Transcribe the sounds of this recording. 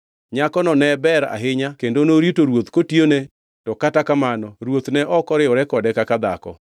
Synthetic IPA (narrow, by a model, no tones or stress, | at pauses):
ɲakɔnɔnɛbɛɾa̰ɦɪɲakendonoɾitoɾwot̪kotione | tɔkatakamanɔɾwot̪nɛʔɔkɔɾɪʊɾɛkɔdɛkakad̪a̰kɔ̰